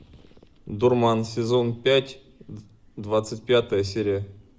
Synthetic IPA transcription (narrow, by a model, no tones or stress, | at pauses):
d̪urmɑnsʲɪzonpʲætʲ | d̪vat̪sɨt̚ʲpʲat̪əjəsʲeɾʲija